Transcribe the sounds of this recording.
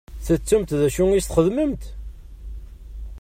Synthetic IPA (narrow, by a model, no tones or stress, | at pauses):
θət͡sːumt̪ðæʃuŋisθχəðməmt̪